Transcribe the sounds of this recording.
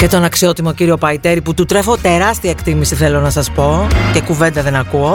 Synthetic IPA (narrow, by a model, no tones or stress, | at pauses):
cet̪o̞nɐksio̞t̪imo̞ciɾio̞pɐit̪e̞ɾiput̪ut̪ɾe̞fo̞t̪e̞ɾɐst̪iɐekt̪imisiθe̞lo̞nɐsɐspo̞ce̞kuve̞nd̪ɐðe̞nɐkuo̞